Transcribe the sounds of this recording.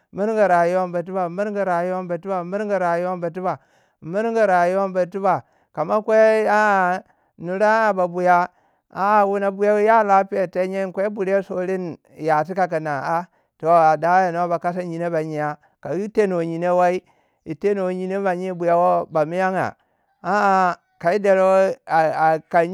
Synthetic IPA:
mi˦ɾŋɡa˨ɾa˨ju˦wa˦n˦ba˨t̬i˦ba˨mi˦ɾɡa˨ɾa˨ju˦wa˦n˦ba˨ti˦ba˨mi˦ɾŋɡa˨ɾa˨ju˦wa˦nba˨t̬i˦ba˨ | mi˦ɾŋɡi˨ɾa˨ju˦wa˦nba˨ti˦ba˨ | ka˨ma˦kʷe˦a˦˨ | nu˨ɾa˦a˨ba˨bu˨ja˦ | a˨wu˦na˨bu˦ja˦wja˦˨la˦pi˦je˨te˦ɲe˦˨kʷe˦bu˨ɾe˦so˨li˦n˨ | ja˨ti˦ka˨ka˨na˨a˦ | to˨a˨da˨˦ja˨no˦ba˨ka˦sa˦ɲi˨ne˦ba˨ɲi˨ja˦ | ka˨˦i˦te˦no˨ɲi˨ne˦wa˦i˦ | i˨te˦no˨ɲi˨ne˦ba˨ɲi˦bu˨ja˦wo˦ba˨mi˦ja˦ŋa̰˨ | a˦˨ | ka˨i˦de˨ɾwo˦a˨a˨ka˨

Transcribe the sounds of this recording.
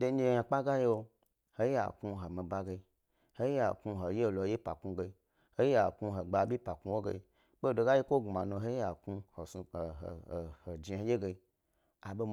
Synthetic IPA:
do˧n˦e˦˨ja˧k͡pa˦ɡa˦je˦wo˧ | ho˦i˦ja̰˨ku˧ɦo˨mi˨ba˧ɡe˧i˦ | ho˦ja˨ku˧ɦo˨je˦˨lo˨˧˨je˦pa̰˨ku˧ɡe˧i˧ | ho˦ji˦ja˨ku˧ɦo˨ɡ͡ba˨bʲi˦pa˨ku˧˦wo˦ɡḛ˧i˧˦ | ɓo˦˨do˧ɡa˦je˦kʷo˦ɡma˨nu˧˨ɦo˦a˨ku˧ho˨sṵ˧˨ho˨d͡ʒi˨o˨je˦ɡe˧i˦ | a˨ɓo˧

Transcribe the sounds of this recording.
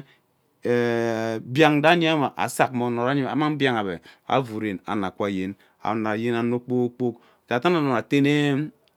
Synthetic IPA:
e˨bja˨ŋda˦ɲ˦i˦a˦ma˨ʔa̰˨sa˨kmo˨˦no˨ɾa˦ɲi˦ma̰˨ma˦ŋ˦bja˦ŋa˨βe˨a̰˦vu˨ɾe˨na̰˨na˨kʷa˦˨je˦n | a̰˨na˨je˦na˨no˦k͡po˦kk͡po˦k | d͡ʒa˨ta˦na˨na˨a˨te˦ne˦

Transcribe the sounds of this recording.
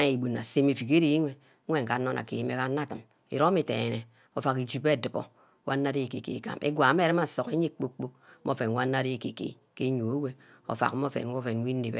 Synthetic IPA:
i˨bu˨nːa˨se˦me˨fi˨ke˦ɾi˦i˦ŋʷe˨˦ | e˦˨ŋ̩˨ka˨˦nːo˦nʔa̰˨kḛ˨ji˦me˨˦ka˦na˦˨tɨ˨m | ḭ˨ɾo˦mi˦˨tḛ˨e˨ne˨ | o˨fa˨ki˨d͡ʒi˦be˦˨dɨ˨po̰˨˦ | wʔa˦nː˦a˦ɾe˦˨kḛ˨kḛ˨ka̰˨mʔḛ˦ɡʷa˨˦me˦˨ɾi˦ma˨so˨ke˦ɲe˦k͡po˦kk͡po˦k̚mʔo˦fe˨nwʷa˦nː˦a˦ɾi˦˨kḛ˨kḛ˨ | ke˦ɲo˨o˦we˦ | o̰˨fa̰˨k̩˦mo˦fḛ˨n˦wo˦fe˨nʷ˦i˦n˦ne˨bḛ˦

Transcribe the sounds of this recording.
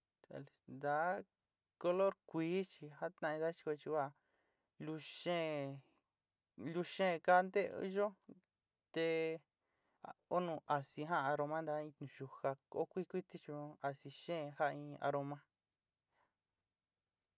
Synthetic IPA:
t̪a̰˨lnd̪a˨˦ | ko˧lo˦ɾkʷiː˨˦t͡ʃi˧ha˦t̪nã˧ĩ˧d̪a˦t͡ʃi̥˧ko˧t͡ʃi˧wa˧˨ | lu˧ʃẽ˦ | lu˧ʃẽ˦˨˧ka˦nd̪ḛ˦˧˦ʒo˦ | t̪e˧ | o˦nũ˧ʔa˨si˧ɦã˦˧a˧ɾo˧mã˦nd̪a˧˦ĩ˧t̪nũ˨˧ʃu˧ha˧ko˦kʷi˦kʷi˦t̪i˦t͡ʃi˧õ˧a˨si˧ʃẽ˦˧ha˦˧ĩ˧a̰˧ɾo˧mã˦˧

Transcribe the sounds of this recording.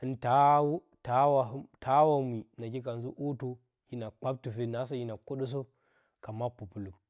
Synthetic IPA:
ɨ˨˦nta˦wu˦ | ta˦wa˨ɦtʰa˦wa˨mi˨na˨ki˦ka˨nzu˦ʔo˦to˦ | ji˦na˨k͡pa˦b̚tu˨fe˦na˨˦s̬a˦ji˦na˨ko˦ɗu˦s̬o˦ | ka˨ma˦pːu˨pu˨lu˨k

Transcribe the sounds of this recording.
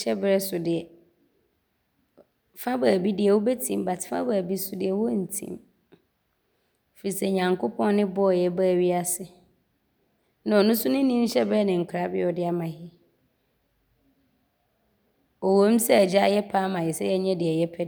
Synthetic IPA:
ɛ˦bɾɛ˦sʊ˨dɪ˨ɛ˨ | fã˦baː˨bi˦dɪ˨ɛ˨wʊ˦bɛ˦tʰĩ˨m˦ba˨tʰɪ̥˨˦fã̰˦baː˨bi˦sʊ˨dɪ˨ɛ˨wɔ˦n̩˨tʰḭ̃˦m | fi˨ɾi˨sɛ˦ɲã˨ŋkʰo˦pʰɔ̃˦n˦nɪ̃˦bɔ˦ɔ˨jɛ˦baː˦˨ɥi˦a˦sɪ˨ | nã˨ɔ˨nʊ̃˦sʊ̃˦nɪ̃˦nĩ˦n̩˦ɕɛ˦bɾɛ˦nɪ̃˨ŋ̩˨kʰɾa˨˦bɪ̰˦ɔ˨dɪ˦a˦mã˨hɪ˦ | ɔ˨wõ˦m̩˦sɛ˦æ˨d͡ʑa˦jɛ˦pʰa˦mã˨hɪ˨sɛ˦jɛ˦ɲɛ̃˦dɪ˨ɛ˨jɛ˦pʰɛ˦

